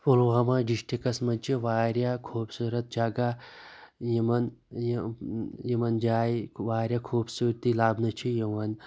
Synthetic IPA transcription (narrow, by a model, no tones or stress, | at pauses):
folwamaɖiʃʈikɐsmɐt͡ʃʰiʋaːɾjakʰuːbsuɾɐt̪̚d͡ʒaːɡa | jimɐn | j | jimɐnd͡ʒaːjiʋaːɾjakʰuːbsuːɾt̪ilaːbnɐt͡ʃʰijiʋɐn